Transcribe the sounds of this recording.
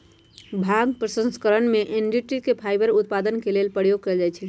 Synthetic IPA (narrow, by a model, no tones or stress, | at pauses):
bʱaɡpɾəsə̃nskəɾənmeʔenɖiʈɾikepʰajbəɾut̪̚pad̪ənkelelpəɾjoɡ̚kəld͡ʒajt͡ʃʰɛ